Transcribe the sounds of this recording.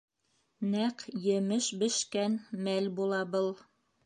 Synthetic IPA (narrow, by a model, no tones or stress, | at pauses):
næqjɘ̆mɘʃbɘ̆ʃkænmælbulˠɑbɤlˠ